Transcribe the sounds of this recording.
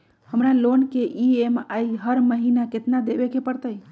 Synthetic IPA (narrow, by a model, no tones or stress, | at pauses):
həmɾalonkeʔiemaiɦəɾməɦinaket̪nad̪ebekepəɾt̪əj